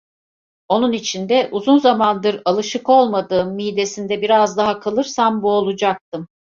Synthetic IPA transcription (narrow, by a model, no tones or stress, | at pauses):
o̞nunit͡ʃʰind̪ɛʔuzunzamand̪ɯɾalˠɯʃɯko̞lˠmad̪ɯːmːijd̪e̞sind̪ɛbiɾazd̪aɦakʰalˠɯɾsambuolˠud͡ʒak̚t̪̚ʰɯm